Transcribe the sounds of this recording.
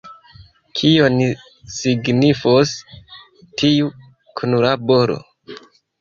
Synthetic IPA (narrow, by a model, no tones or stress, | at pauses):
kʰioni | siɡnifos | tiu | kʰunulabo̞ɾo̰